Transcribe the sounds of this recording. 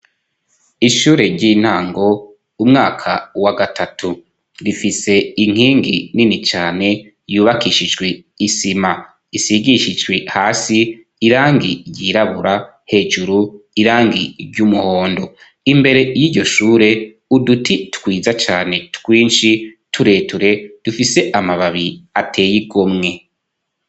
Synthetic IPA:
iʃuːɾe̞ɾɟiːn̥haːŋɡo̞ | umŋaːkʰawaɡatʰatʰu | ɾifise̞iŋ̥hiːŋɡḭninit͡ʃaːne̞ | juːβakiʃid͡ʒɡwe | isima | isiɡiʃid͡ʒɡwehaːsiː | ɾaːŋɡḭɾɟiːɾaβuɾa | he̞ːʒuɾuiɾaːŋɡḭɾɟumuho̞ːndo̞ | imbe̞ɾe̞jiːɾɟo̞ʃuːɾe̞ | udutʰitkwiːzat͡ʃaːne̞tkwiːnʃi | tʰuɾe̞ːtuɾe̞d̥ufise̞ʔamaβaβiatʰe̞ːjiɡomŋe̞

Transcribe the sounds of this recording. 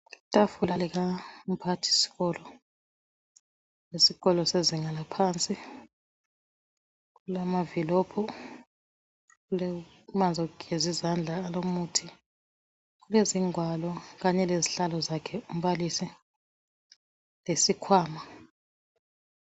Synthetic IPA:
itʼafulalɛk̬aum̩pʰatʰi̥si̥ɣɔlɔ | lesiɣɔlɔseziŋalapʰaːnt͡sʼi | kulamavilɔːpʰɔ | kulɛ | mand͡zʱɔukezizand͡ɮʱaːlomuːtʰi | k̬uleziŋwalɔk̬aɲɛleziɬalɔzakʰɛum̩ɓalisi | lesikʰwaːma

